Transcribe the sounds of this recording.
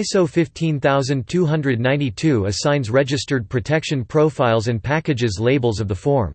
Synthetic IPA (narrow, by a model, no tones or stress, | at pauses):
soʊfɪftʰĩnθaʊzɨ̃ntʰuɦʌ̃ndɹɨdⁿnãɪ̃ntitʰʉɨz̥sãɪ̃nzɹɛd͡ʒɨstə˞d̚pʰɹ̥ɨtʰɛkʃɨ̃npʰɹ̥oʊfaɪlˠzɨ̃npʰækɨd͡ʒɨzleɪbl̩ˠzʌvðəfɔɹm